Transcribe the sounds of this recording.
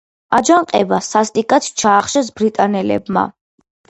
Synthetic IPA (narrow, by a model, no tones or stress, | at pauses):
ad͡ʒaɴqʼɛ̰basast̪ʼikʼat̪ʰt͡ʃʰaːχʃɛs̬bɾit̪ʼanɛlɛ̰bma̰